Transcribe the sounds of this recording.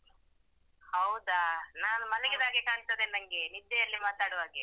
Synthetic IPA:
hɐwud̪anaːnumɐlɐɡid̪aːɡekaːnt̪ɐd̪enɐŋɡenid̪ːɛɐlːimaːt̪aːɽʋaːɡe

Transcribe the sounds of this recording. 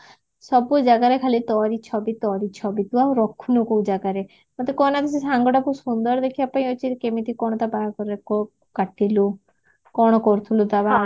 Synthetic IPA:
sɔbud͡ʒaɡaɾekʰalit̪ɔɾit͡ʃʰɔbit̪ɔɾit͡ʃʰɔbit̪uaũɾɔkʰunɔkoũd͡ʒaɡaɾe | mɔt̪ekɔnat̪is̬esaŋɡɔɽapusund̪ɔɾd̪ekʰibapaĩɔt͡ʃʰikemit̪ikɔɽɔt̪abajkɔɾɾekɔ | kaʈilu | kɔɽ̃ɔkɔɾut̪ʰulut̪aba

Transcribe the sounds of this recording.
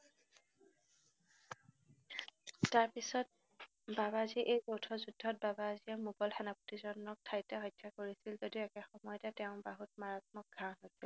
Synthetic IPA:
taɹpisɔt̚ | baβaziʔejzowtʰɔzudʱːɔt̚babaːzijamuɡɔlxɛnaputizɔnːɔk̚tʰajtaɦɔjdʰʱːakoɹisilzodiʊɛkɛxɔmɔjɔtɛtɛʊ̃baɦutmaɹat̚mɔk̚ɡʱaɦojsil

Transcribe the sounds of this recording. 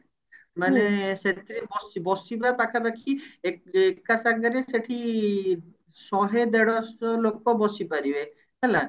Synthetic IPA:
maneset̪ebɔsibɔsibapakʰabakʰiekekːasaɡɡəɾeseʈʰi | sɔɦed̪eɽɔsɔlok̚pɔbɔsipaɾibe | ɦɛla

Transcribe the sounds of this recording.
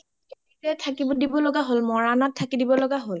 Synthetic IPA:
itɛtʰakibɔdibɔlɔɡaɦolmɔɹanatʰːakidibɔlɔɡaɦol

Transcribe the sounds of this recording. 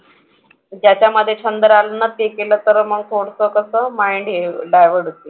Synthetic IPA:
d͡ʑjat͡ɕjaməd̪ʱːjet͡ɕʰənd̪əɾalənːat̪ekeləːt̪əɾməɡsʰoɽsəkəsəːmajɳɖeɖajʋəɽɦot̪i

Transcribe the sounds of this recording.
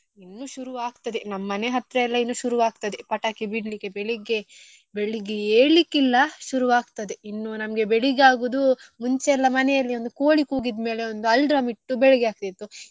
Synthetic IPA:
inːuːʃuɾuʋaːɡt̪ɐd̪enɐmːɐneɦɐt̪ːɾɐɛlːɐinːuːʃuɾuʋaːɡ̚t̪ɐd̪epɐʈaːkibiɽlikːebeɭiɡe | beɭiɡieːɭikːilːɐʃuɾuʋaːɡt̪ɐd̪einːunɐmɐɡe̞beɭiɡaːɡuːd̪umuɲt͡ʃeɛlːɐmɐnɛjɐlːiond̪ukoːɭikuːɡid̪me̞ːle̞o̞nd̪uɐlɖɾɐmiʈːubɛɭiɡiaːk̚t̪it̪ːu

